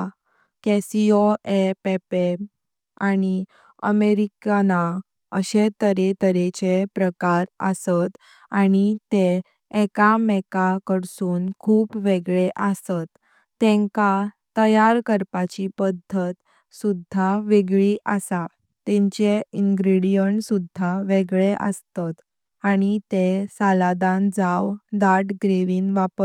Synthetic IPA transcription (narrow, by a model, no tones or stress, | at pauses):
kɛsioepepe | ani | ə̰meɾikana | əɕet̪əɾet̪əɾet͡ɕepɾəkaɾə̰sət̪ | aɽit̪eː | kamɛkakəɽsuːnkʰuːpʋeɡɭeʔəsət̪ː | ɛ̃ŋkat̪əjaɾkəɾpat͡ɕipəd̪ʱːət̪ | sud̪ʱaʋeɡɭiʔəsa | t̪ɛ̃ɲt͡ɕeiŋɡɾiɽijəɳʈsud̪ʱːaʋeɡɭeʔə̰st̪at̪ | aɽ̃it̪esalad̪ãnd͡zawd̪aʈɡɾeʋiːnʋapə